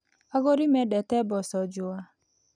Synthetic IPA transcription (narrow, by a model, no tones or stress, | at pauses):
ɔɣɔɾimedetebɔsɔd͡ʒʊa